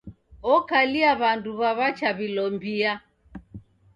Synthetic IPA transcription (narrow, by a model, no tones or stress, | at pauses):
ɔkaliaβanduβaβat͡ʃaβilɔmbia